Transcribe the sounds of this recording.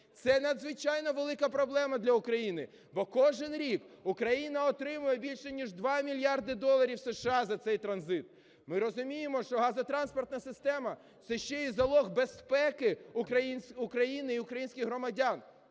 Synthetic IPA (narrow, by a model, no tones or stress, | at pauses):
t̪sɛnɐd̪zʋɪt͡ʃɑjnɔʋelˠɪkɐpɾɔblˠɛmɐd̪lʲɐʊkɾɐjinɪ | bɔkɔʒɪnɾʲikʊkɾɐjinɐɔt̪ɾɪmʊjɛbʲilʲʃɛnʲiʒd̪ʋɑmʲilʲjɑrd̪ɪd̪ɔlˠɐɾʲiwseʃɑzɐt̪sɛjt̪ɾɐnzɪt̪ | mɪɾɔzʊmʲijɪmɔʃt͡ʃɔɦɑzɐt̪ɾɑnspɔrt̪nɐsɪst̪ɛmɐ | t̪sɛʃt͡ʃɛizɐlˠɔɣbespɛkɪɐnʊkɾɐjinɪiʊkɾɐjinʲsʲkʲɪɣɦɾɔmɐdʲan